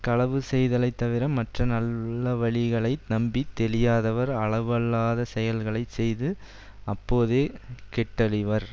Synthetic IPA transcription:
kɐɭɐʋɯsɛjðɐlɐɪt̪ːɐʋɪɾɐmːɐʈrɐnɐlːɐʋɐɭɪɣɐɭɐɪnɐmbit̪ːɛlɪjaːðɐʋɐɾɐɭɐʋɐlːaːðɐsɛjɐlɣɐɭɐɪsɛjðɯ | ɐpːoːðeːkɛʈːɐɭɪʋɐɾ

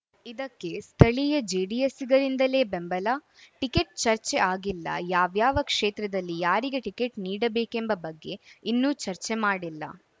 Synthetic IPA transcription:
id̪ɐkːe̞st̪ʰɐɭijɐd͡ʒeːɖijesiɡɐɾind̪ɐle̞ːbembɐlaː | ʈike̞ʈ̚t͡ʃɐɾt͡ʃeʔaːɡilːɐ̰jaːʋjaːʋɐkʂeːt̪ɾɐd̪ɐlːijaːɾiɡe̞ʈike̞ʈniːɽɐbe̞ːkembɐbɐɡːe̞inːuːt͡ʃɐɾt͡ʃemaːɽilːɐ̰

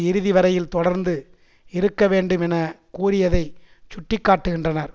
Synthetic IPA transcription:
ɪɾɯðɪʋɐɾɐjɪlt̪ɔɽɐɾnd̪ɯ | ɪɾɯkːɐʋeːɳɖɯmɛnɐkuːɾɪjɐðɐɪt͡ʃʊʈːɪkːaːʈːɯɣɪndrɐnɐɾ

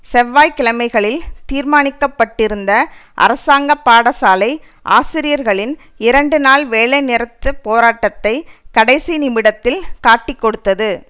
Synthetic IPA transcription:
sɛʋːaːjkɪlɐmɐɪɣɐɭɪlt̪iːɾmaːnɪkːɐpːɐʈːɪɾɯnd̪ɐʔɐ̰ɾɐsaːŋɡɐpːaːɽɐsaːlɐɪ | ʔa̰ːsɪɾɪjɐɾɣɐɭɪn | ɪɾɐɳɖɯnaːlʋeːɭɐɪnɪɾɐt̪ːɐpoːɾaːʈːɐt̪ːɐɪkɐɽɐɪsinɪmɪɽɐt̪ːɪlkaːʈːɪkːɔɽɯt̪ːɐðɯ

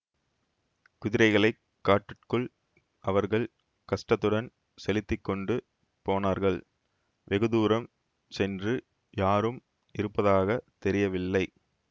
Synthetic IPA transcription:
kʊðɪɾɐɪɣɐɭɐɪ | kːaːʈːɯʈkɯɭ | ʔɐʋɐɾɣɐɭ | kɐʂʈɐt̪ːɯɽɐn | sɛlɪt̪ːɪkːɔɳɖɯ | poːnaːɾɣɐɭ | ʋɛɣɯðuːɾɐm | sɛndrɯ | jaːɾɯm | ɪɾɯpːɐðaːɣɐt̪ɛɾɪjɐʋɪlːɐɪ

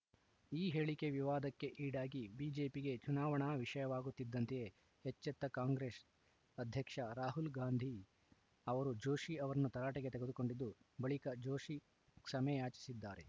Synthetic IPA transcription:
iːɦeːɭike̞ʋiʋaːd̪ɐkːe̞ʔiːɽaːɡibiːd͡ʒe̞ːpiɡe̞t͡ʃunaːʋɐɳɐʋiʂɐjɐʋaːɡut̪ːid̪ːɐnt̪eje | het͡ʃːɛt̪ːɐkaːŋɡɾeːs | ɐd̪ʱjɐkʂɐɾaːɦulɡaːnd̪ʱi | ɐʋɐɾud͡ʒo̞ːʃiɐʋɐɾɐnːut̪ɐɾaːʈɐɡe̞t̪eɡe̞d̪uko̞ɳɖid̪ːubɐɭikɐd͡ʒo̞ːʃi | ksɐmɐjaːt͡ʃi̥sid̪ːaːɾe̞

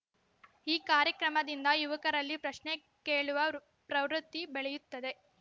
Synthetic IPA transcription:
iːkaːɾjɐkɾɐmɐd̪ind̪ɐjuʋɐkɐɾɐlːipɾɐʃne | keːɭuʋɐ | pɾɐʋɾut̪ːibeɭɛjut̪ːɐd̪e

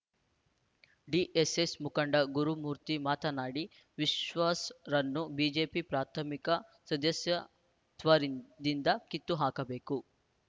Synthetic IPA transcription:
ɖiʔesesmukɐɳɖɐɡuɾumuːɾt̪imaːt̪ɐnaːɽi | ʋiʃʋaːsɾɐnːubiːd͡ʒeːpipɾaːt̪ʰɐmikɐsɐd̪ɐsjɐ | t̪ʋɐɾid̪ind̪ɐkit̪ːuɦaːkɐbeːku

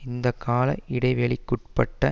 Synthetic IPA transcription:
ɪnd̪ɐkʰːaːlɐ̰ʔɪɽɐɪʋɛɭɪkːʊʈ̚pɐʈːɐ

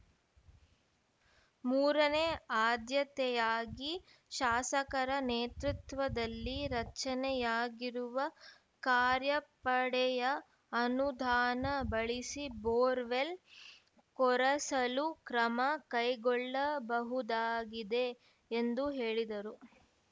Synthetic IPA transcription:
muːɾɐneaːd̪jɐt̪ɛjaːɡi | ʃaːsɐkɐɾɐneːt̪ɾut̪ʋɐd̪ɐlːiɾɐt͡ʃɐnɛjaːɡiɾuʋɐ | kaːɾjɐpɐɽɛjɐ | ɐnud̪ʱaːnɐbɐɭisiboːɾʋel | kɔɾɐsɐlukɾɐmɐkɐjɡɔɭːɐbɐɦud̪aːɡid̪e̞ː | nd̪uɦeːɭid̪ɐɾu

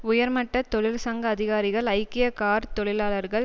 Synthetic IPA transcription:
ʊjɐɾmɐʈːɐt̪ɔɭɪlsɐŋɡɐːðɪɣaːɾɪɣɐɭɐɪkːɪjɐkaːɾt̪ɔɭɪlaːlɐɾɣɐɭ

